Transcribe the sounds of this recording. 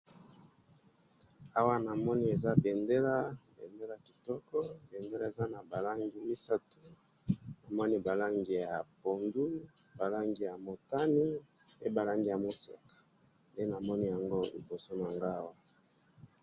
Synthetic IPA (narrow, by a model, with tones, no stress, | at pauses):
a˦wa˦na˨mɔ˦ni˦e˨za˦be˨nde˦la˦bḛ˨nde˦la˨ki̥˨tɔ˦kɔ˦be˨nde˦la˦˨e˨za˦na˨ba˨la˦ŋɡi˨mi˦sa˦tu˦ | na˨mɔ˦ni˦ba˨la˦ŋɡi˨ja˨po˨ndu˦ba˨la˦ŋɡi˨ja˨mo˨ta˦ni˦ | e˦ba˨la˦ŋɡi˨ja˨mo˦sḛ˨kḁ˨ | nde˦na˨mɔ˦ni˦ja˨ŋɡo˦lḭ˨bo˨so˦n˨a˨ŋɡa˦wa˦